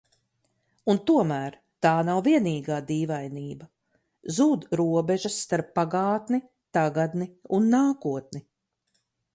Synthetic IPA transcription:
unt̪uɔmæːɾ | t̪aːnawviɛniːɡaːd̪iːvajniːbɐ | zuːd̪ɾuɔbɛʒɐsːt̪aɾpːaɡaːt̪ni | t̪aɡad̪niunːaːkuɔt̪̚ni

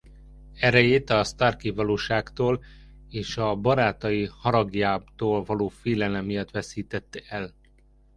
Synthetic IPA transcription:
ɛɾɛjeːt̪ɒst̪arkivɒloːʃaːkt̪oːl | eːʃɒbɒɾaːt̪ɒjihɒɾɒɡjaːbt̪oːlvɒloːfeːlɛlɛmːijɒt̪ʋɛsiːt̪ɛt̪ːɛɛl

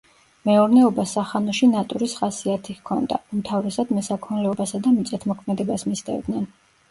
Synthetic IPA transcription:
mɛuɾnɛɔbasaχanɔʃinat̪ʼuɾisχasiat̪ʰikʰɔnd̪a̰umt̪ʰavɾɛsad̪mɛsakʰɔnlɛɔbasad̪amit̪sʼɛt̪ʰmɔkʰmɛd̪ɛbasmist̪ʼɛ̰vd̪nɛn

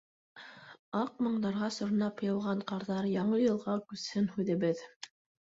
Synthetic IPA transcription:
ɑq̚mɤ̆ɴd̪ɑɾʁɑsŏɾnɑpjɤ̆wˠʁɑɴqɑɾðɑɾjɑɴɤjɤ̆lˠʁɑkʉshɘnhʉðɘ̆βɘð

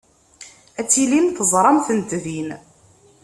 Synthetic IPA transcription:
æt͡sːilinθəzˤɾˤɑmθənt̪ðin

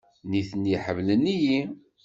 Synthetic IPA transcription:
niθnːiħəvləniji

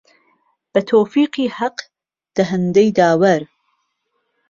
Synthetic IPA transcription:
b̥ɐt̪ʰoːfiːqiːhaq | d̪̥ɐɦɛnd̪ɛjd̪aːwɐɾ

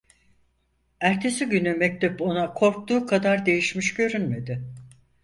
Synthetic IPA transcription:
æɾt̪ʰe̞siɟynymɛc̚t̪ʰɛpo̞nakʰo̞ɾk̚t̪uːkʰad̪aɾd̪e̞jiʃmiʃɟø̞ɾynme̞d̪ɪ

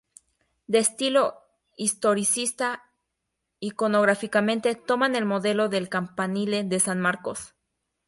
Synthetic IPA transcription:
d̪e̞ːst̪ilo̞ | ist̪o̞ɾisist̪a | ikono̞ɣɾafikamẽnt̪e̞t̪o̞mane̞lmo̞ðe̞lo̞ðe̞lkampanileðe̞sanmaɾko̞s

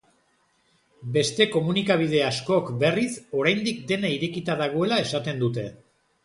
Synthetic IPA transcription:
be̞st̪e̞ko̞munikaβ̞ið̞e̞asko̞kbe̞riso̞ɾajnd̪ik̚d̪e̞naiɾe̞kit̪aðaɣ̞o̞e̞lae̞sat̪e̞nd̪ut̪e̞

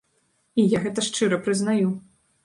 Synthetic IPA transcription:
ijaɣɛt̪ɐʂt͡ʂɨɾɐpɾɨznaju

